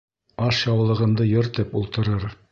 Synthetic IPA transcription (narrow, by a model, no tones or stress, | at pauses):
ɑʃjɑwlˠɤ̆ʁɤ̆nd̪ɤjɵ̆ɾt̪ɘpulˠt̪ɤ̆ɾɤɾ